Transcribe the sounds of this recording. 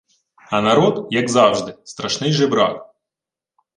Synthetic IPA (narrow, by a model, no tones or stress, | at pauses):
ɐnaɾɔd̪jɐɡzɑwʐd̪ɪst̪ɾɐʂnɪjʐɛbɾa̰k